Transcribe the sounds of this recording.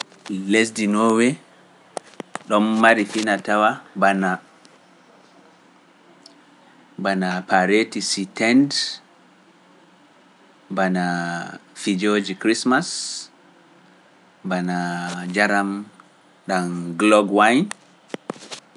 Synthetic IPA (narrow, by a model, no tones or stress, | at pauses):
les̬dinɔːwɛ | ɗɔmːaɾifinatawabana | banapaɾetisitɛnd | bana | fid͡ʒod͡ʒikɾismas | banad͡ʒaɾam | ɗanɡlɔɡwajn